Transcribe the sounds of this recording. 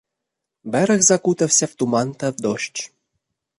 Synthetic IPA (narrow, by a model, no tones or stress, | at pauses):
bæɾə̆xzɑkut̪ə̆fsʲeft̪umɑnt̪ɑd̪oɕt͡ɕ